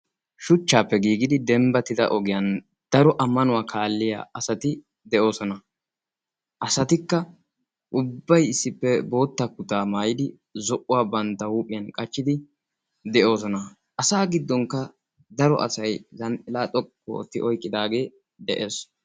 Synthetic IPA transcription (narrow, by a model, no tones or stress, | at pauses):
ʃʊt͡ʃːaːpːɛɡiːɡɪd̪ɪd̪ɛmbɐt̪ɪd̪ɐ̰ʔɔɡɪjɐn | d̪̥ɐɾɔʔɐmːɐnʊwaːkʰaːlːɪja̰ːɐsɐt̪ɪ | d̪ɛʔo̞ːsɔnɐ | ʔɐsɐt̪ɪkːɐ | ʔʊbːɐjɪsːɪpːɛbo̞ːt̪ːɐkːʊt̪aːmaːjɪd̪ɪ | zɔʔʊwaːbɐnt̪ːɐwuːpʼɪjɐnkʼɐt͡ʃːɪd̪ɪ | d̪ɛʔo̞ːsɔnɐ | ʔɐsaːɡɪd̪ːɔŋkːɐ | d̪ɐɾɔ̰ʔɐ̰sɐjzɐnʔɪlaːt̪ʼɔkːo̰ːt̪ːɪʔɔjkʼːɪd̪aːɡe̞ː | d̪ɛʔeːs